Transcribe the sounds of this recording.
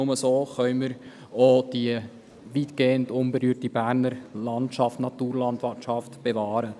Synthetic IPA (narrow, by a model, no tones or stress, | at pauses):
ʊməsoːχœʏməɾ | od̥i | ʋiːtɡ̥eːəndʊmbeɾyːɾtibæːɾnəɾlɑntʃɑftnɑt̪uːɾlɑndʋɑtt͡ʃɑftb̥evɑːɾə